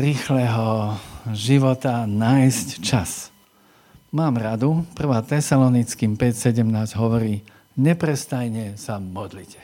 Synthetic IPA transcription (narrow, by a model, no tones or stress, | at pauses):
ɾiːxlɛɦɔ | ʒiʋɔt̪anajsct͡ʃas | maːmɾad̪upr̩ʋaːt̪ɛsalɔnit͡skiːmpɛcsɛɟɛmnaːzɟɦɔʋɔɾiː | ɲɛpɾɛst̪ajɲɛsamɔd̪licɛ